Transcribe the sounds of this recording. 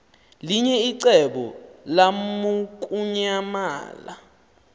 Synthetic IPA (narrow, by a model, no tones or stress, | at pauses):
liɲɛiǀɛɓɔlamuk̬ʼuɲama̰ːla